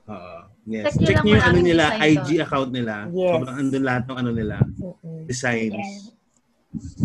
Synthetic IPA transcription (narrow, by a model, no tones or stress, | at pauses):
ʔoːʔo | jɛst͡ʃɛk̚ɲɐjʊŋɐnonɪlaʔajd͡ʒiɐkawnt̪̚nɪlabɾɐŋʔɐnd̪onlɐhat̪̚nʊŋɐnonɪla̰d̥̪ɪsajns